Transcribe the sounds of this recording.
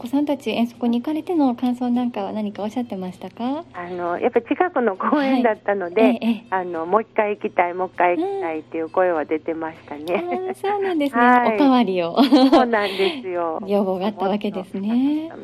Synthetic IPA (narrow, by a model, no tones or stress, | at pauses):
oko̞sãnt̪at͡ɕiẽ̞ɰ̃so̞kɯ̟ɲ̟iːkaɾe̞t̪e̞no̞kãɰ̃so̞ːnãŋkaβanaɲ̟ikao̞ɕːat̪ːe̞maɕi̥t̪akaano̞jʔapːat͡ɕikakɯ̟no̞koːẽaid̪at̪ːano̞d̪e̞ano̞moikːaiikʲit̪aimo̞kːaiikiait̪ːe̞jɯ̟ko̞e̞βad̪e̞t̪e̞maɕi̥t̪aneaso̞ːnãnd̪e̞sɨneoit̪aβaɾʲio̞nãnd̪esɨjojo̞ːbo̞ːɡaːt̪ːaβake̞d̪e̞sɨnee̞